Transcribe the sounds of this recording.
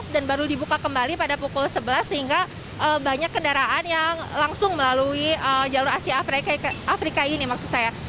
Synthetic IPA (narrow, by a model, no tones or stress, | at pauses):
sdanbaɾudibukakəmbalipadapukʊlsəbəlasːəhiŋɡa | ʔəːbaɲakːəndaɾaʔanjaŋlaŋsʊŋməlaluiəd͡ʒalʊɾasiaːfɾakaʔafɾikainimaksusaja